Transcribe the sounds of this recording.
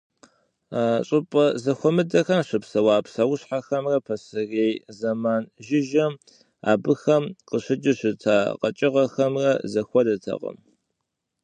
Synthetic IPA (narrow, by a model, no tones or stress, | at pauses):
aɕʼɨpʼɐzɐxʷɔmɨdɐxɐmɕɨpsɐwaːpsɐwʊɕħaxɐmrɐpʰɐsɨreːjzɐmaːnʒɪʒɐm | a̰ːbɨxɐmqəɕɪd͡ʒɪɕɨtʰa̰ːqɐ̰t͡ʃʼɪʁɐxɐmrɐzɐxʷɔdɐtʰɐ̰qə̰m